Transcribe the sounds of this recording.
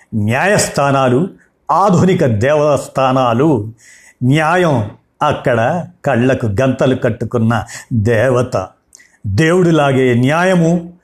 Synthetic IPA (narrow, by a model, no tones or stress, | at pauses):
njaːjɐst̪ʰaːnaːlu | aːd̪ʱunikɐd̪ɛːʋɐt̪ɐst̪ʰaːnaːlu | njaːjɐm | ɐkːɐɽɐkɐɭːɐkuɡɐnt̪ɐlukɐʈːukunːɐd̪ɛːʋɐt̪ɐ̰ | d̪eːwuɽulaːɡeːnjaːjɐmu